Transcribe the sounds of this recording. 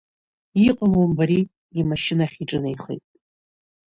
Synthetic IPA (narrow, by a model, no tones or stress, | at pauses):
iqʼəlwambaɾi | imaʃɪnaχʲiʈ͡ʂʼɨnaiχḛjtʼ